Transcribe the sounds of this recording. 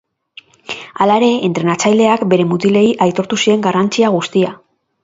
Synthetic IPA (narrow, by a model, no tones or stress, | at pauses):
alaeɾe̞ːnt̪ɾe̞nat͡sajld̪e̞akbe̞ɾe̞mut̪ile̞iʔajt̪o̞ɾt̪usie̞ŋɡarant͡siaɣ̞ust̪ia